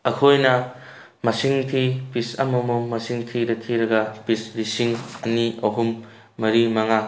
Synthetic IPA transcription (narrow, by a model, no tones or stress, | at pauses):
ɐkʰojnɐ | mɐsiŋtʰipisɐ̰mɐmomɐsiŋtʰiɾɐkʰiɾɐɡɐpisɾisiŋɐniɐɦumː | ɐɾimɐŋa